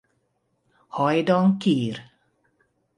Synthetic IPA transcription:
hɔjd̪ɔŋkiːɾ

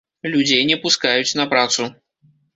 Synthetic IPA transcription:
lʲud͡zʲejnʲɛpuskajut͡sʲnɐpɾat̪su

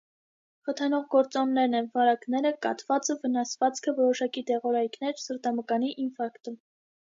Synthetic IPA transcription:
χət̪ʰɑnɔʁɡɔɾt͡sɔnnɛɾnɛnvɑɾɑknɛɾəkɑ̰t̪vɑt͡səvənɑsvɑt͡skʰəvɔɾɔʃɑkid̪ɛʁɔɾɑjkʰnɛɾsəɾt̪ɑməkɑniʔinfɑɾkt̪u

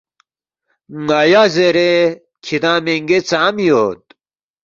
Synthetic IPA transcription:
ŋɐjazeɾe | kʰid̪ãːmeŋɡet͡saːmjot̪̚

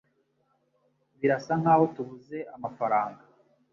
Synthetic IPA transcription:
βiɾasaŋ̥haːho̞tuβuze̞ʔamafaɾaːŋɡa

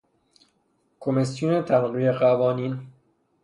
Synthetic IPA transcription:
kʰomesjuːnet̪ʰæɾɢiːeɢævɒːniːn

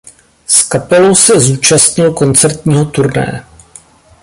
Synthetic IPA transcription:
skapɛlo̞wsɛzuːt͡ʃast̪ɲɪlko̞nt͡sɛɾt̪ɲiːɦo̞t̪uɾnɛ̰jɛ̰

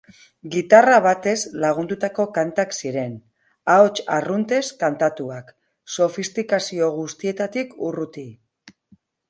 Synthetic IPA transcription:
ɡit̪araβ̞at̪e̞zlaɣ̞und̪ut̪ako̞kant̪aksiɾe̞n | aot͡ʃarunt̪e̞skant̪at̪uak | so̞fist̪ikasio̞ɣust̪ie̞t̪at̪ikurut̪i

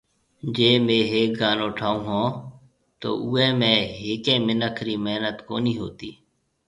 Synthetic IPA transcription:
d͡ʒeːmẽːɦeːk̚ɡaːnoːʈʰaːũːɦõː | t̪o̰ːʔuːẽːmẽːɦeːkẽːmɪnəkʰɾiːmeɦnət̪ko̰ːniːɦo̰ːt̪iː

